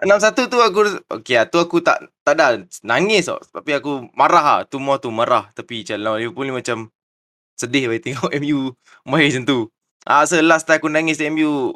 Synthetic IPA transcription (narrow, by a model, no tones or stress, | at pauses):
ənams̬at̪ut̪uakuo̰keat̪uakut̪a̰ʔt̪aʔdaʔnaŋɪsɔ̰ʔt̪apiakumaɾaɦat̪umuat̪umaɾaht̪apit͡ʃalnawliəpunimat͡ʃam | sədɪhbait̪ɛŋɔʔɛmju | maisənt̪u | ʔa̰səlast̪ajakunaŋɪsɛmju